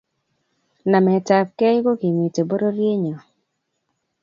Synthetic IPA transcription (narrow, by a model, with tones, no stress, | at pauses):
na˨mɛ˨ta˨p̚kɛ˦jɡo˦ɡi˨mi˨te˨bo˦ɾo˦ɾje˦ɲɔ˨